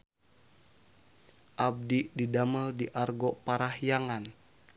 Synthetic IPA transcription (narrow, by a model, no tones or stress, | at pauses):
ʔab̚dididaməldiʔarɡɔpaɾahjaŋan